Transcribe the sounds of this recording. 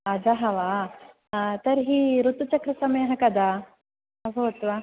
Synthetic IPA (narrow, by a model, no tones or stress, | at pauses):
ɐd͡ʒaɦɐʋa | t̪ɐɾɦiːɾut̪ːut͡ʃɐkɾɐsɐmɐjɐɦɐkɐd̪a | ɐbʱɐʋɐt̪ʋa